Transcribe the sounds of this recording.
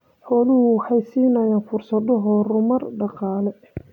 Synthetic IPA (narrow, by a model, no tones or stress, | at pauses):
ħɔːlʊɦʊwħɑjsiːnɐjaːnfʊrsɐðɔɦɔrʊmɐrɖɑqɑːlɛ